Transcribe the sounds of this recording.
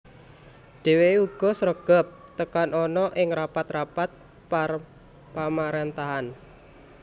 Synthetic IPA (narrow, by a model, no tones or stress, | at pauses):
ɖ̥eweuɡ̥ɔ̤səɾəɡ̥ɔ̤p̚t̪əkanʔɔnɔʔɪŋɾapat̪rapat̪̚ | pa | pamaɾent̪aɦan